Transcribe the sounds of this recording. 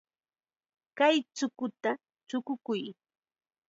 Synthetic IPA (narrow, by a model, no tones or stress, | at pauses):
kajt͡sʊkʊt̪a | t͡sʊkʊkʊj